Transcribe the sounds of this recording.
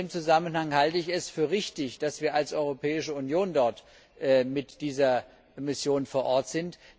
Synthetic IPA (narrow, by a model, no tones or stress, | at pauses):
mt͡suzamənhaŋhaltəɪçɛsfyːɐʁɪçtɪçd̥asv̥iːɐalsʔɔʏʁopʰɛːɪʃəʊnjoːndɔɐt | ʔmɪtd̥iːzɐ | mɪsjoːnfoːɐʔɔɐtz̥ɪnt